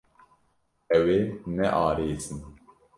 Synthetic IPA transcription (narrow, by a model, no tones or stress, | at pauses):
ɛwenɛʔɑːɾeːzɨn